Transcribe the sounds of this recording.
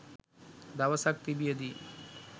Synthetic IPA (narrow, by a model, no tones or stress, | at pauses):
d̪awasak̚t̪ibijəd̪i